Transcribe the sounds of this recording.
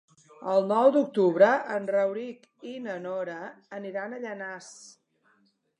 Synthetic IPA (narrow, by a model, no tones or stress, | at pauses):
əlˠnɔwd̪uk̚t̪uβɾəʔənrəwɾik | inənoɾəːniɾanəʎənas